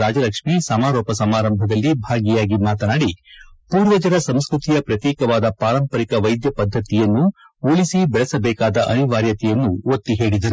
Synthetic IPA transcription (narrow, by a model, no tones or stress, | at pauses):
aːd͡ʒɐlɐkʂmisɐmaːɾoːpɐsɐmaːɾɐmbʱɐd̪ɐlːibʱaːɡijaːɡimaːt̪ɐnaːɽipuːɾʋɐd͡ʒɐɾɐsɐmskɾut̪ijɐpɾɐt̪jɛːkɐʋaːd̪ɐpaːɾɐmpɐɾikɐʋɐjd̪jɐpɐd̪ʱːɐt̪ijɐnːu | oɭisibɛɭɛsɐbɛːkaːd̪ɐʔɐniʋaːɾjɐt̪ɛjɐnːuot̪ːiɦe̞ːɽid̪ɐɾu